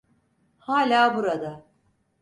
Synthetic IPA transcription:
haːlʲaːbuɾad̪a

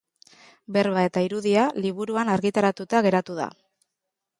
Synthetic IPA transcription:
be̞ɾβae̞t̪aiɾuðialiβuɾuanaɾɣit̪aɾat̪ut̪aɣe̞ɾat̪uð̞a̰

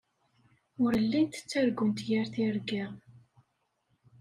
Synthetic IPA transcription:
ʊɾəlːint̪ə̥t͡sːæɾɡənt̪jaɾθiɾɡiʁ

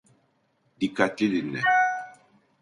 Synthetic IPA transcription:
dikat̪ilinɛ̰

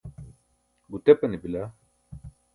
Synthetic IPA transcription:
ɡut̪ɛpɐnibila

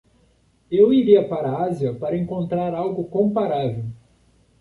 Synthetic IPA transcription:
ewiɾiɐpaɾɐaziɐpaɾɐẽŋkõnt̪ɾaɾawɡʊkõpaɾavew

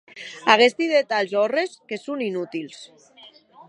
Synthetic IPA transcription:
aɣ̞est̪iðet̪alzɔreskesuninut̪ils

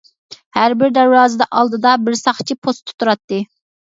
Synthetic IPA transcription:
hæɾbɪɾd̪æɾwɑːzɨd̪ɑʔɑlˠd̪ɨd̪ɑbɪɾsɑχt͡ʃʰipʰost̪ʰːu̥t̪ʰuɾɑt̪ːɨ

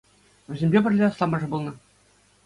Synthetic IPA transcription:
ʋʲɘ̆zʲemʲbʲebʲɘ̆rʲlʲeɑslˠɑmɑʐɤ̆bulˠnɤ̆

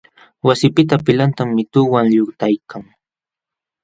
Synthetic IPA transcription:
wasɪpɪt̪apɪlant̪amːɪt̪ʊːwaŋʎʊkt̪ajkʰaŋ

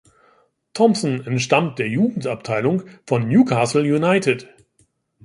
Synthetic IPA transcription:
tʰɔmsn̩ɛntʃtamt̚d̥eːɐjuːɡŋ̩tap̚tʰaɪlʊŋfɔnːnjuːkʰaːsl̩junaɪtʰɪt

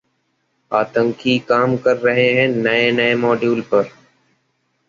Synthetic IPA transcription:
aːt̪ə̃ŋkʰiːkaːmkəɾːəɦeːɦɛ̃ːnəẽːnəẽːmoːɖjuːlpəɾ

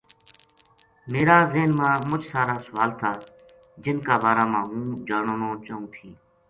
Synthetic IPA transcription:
meːɾaːzeːnmãːmʊt͡ʃʰsaːɾaːsʊʋaːlt̪ʰaː | d͡ʒɪnkaːbaːɾaːmãːɦũːd͡ʒaːɳoːnõːt͡ʃəːũːt̪ʰĩː

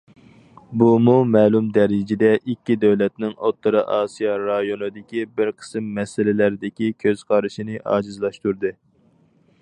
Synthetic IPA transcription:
bumumɛːlˠumd̪ɛɾɪd͡ʒɪd̪ɛʔikʲːid̪ɛwlɛt̪nɪŋʔot̪ːɨɾɨʔɑːsijɑɾɑjonɨd̪ɪkʲibɪɾqʰə̥sɨmːɛsɪlɪlæɾɪd̪ɪkʲikʲʰøz̥qʰɑɾɨʃinɨʔɑ̰ːd͡ʒɨzlˠɑʃt̪uɾd̪ɨ

